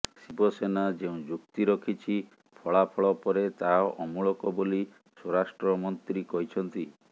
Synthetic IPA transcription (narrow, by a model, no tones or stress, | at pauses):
sibɔsenad͡ʒeũd͡ʒukt̪iɾɔkʰit͡ʃʰi | pʰɔɭapʰɔɭɔpɔɾet̪aʔɔmuɭɔkɔboli | sɔɾasʈɾɔmɔnt̪ɾikɔɦit͡ʃʰɔnt̪i